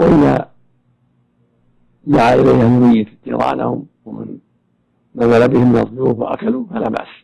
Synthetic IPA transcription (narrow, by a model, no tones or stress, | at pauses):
waʔɪða̰ | d̪aʕaʔɪlajhʔahlmajːɪt̪t̪ːḭɾˤɑ̰ːʕla̰hʊmwamɪ̰n | nazalabɪhɪmːɪnɑðˤjuːfwa̰ʔa̰kaluːfalaːba̰ʔs